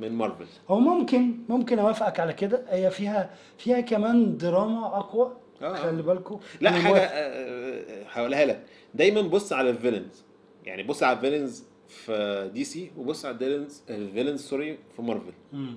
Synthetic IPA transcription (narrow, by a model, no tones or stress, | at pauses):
menmɑɾˤvḛllhowːæmomkenmomkenʔæwæfæʔækʕalæked̪æhejːæfiːhæ | fiːhækæmæːnd̪eɾˤɑːmæʔɑqwæ | æælːibælkolæʔæaːɡæ | ħæʔulæhæːlæ | d̪æjmænbosˤːʕalælvelenz̥ | ja̰ʕnibosˤːʕalævelenz | fd̪iːsiːwebosˤːʕalæd̪elenzvelenzsoɾejfimɑɾˤvelʔem